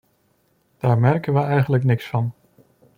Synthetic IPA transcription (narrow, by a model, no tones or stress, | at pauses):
d̥aːɹmɛɹkənʋəɛjχənləknɪksfɑn